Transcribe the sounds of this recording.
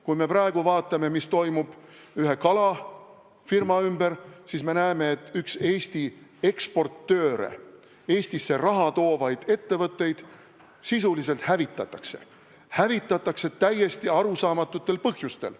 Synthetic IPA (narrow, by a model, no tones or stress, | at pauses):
kujme̞prɑe̞ɡ̥uvɑːt̪ːˑɑme̞mist̪o̞jmub̥yɦe̞kɑlɑ | firmɑymbeɾsisme̞næeme̞ːt̪ːˑykse̞ːst̪ie̞kspo̞rt̪ːø̞ːɾḛ | e̞ːsʲt̪isːe̞rɑɦɑt̪o̞ːvɑjd̪̥e̞t̪ːe̞vɤt̪ːˑe̞jd̪̥ | sisulis̬e̞lt̪hævit̪ːˑɑt̪ːˑɑkse̞̰ | hævit̪ːˑɑt̪ːˑɑkse̞t̪æjːe̞st̪iɑɾusɑːmɑt̪ːˑut̪ːe̞lpɤhjust̪e̞̰l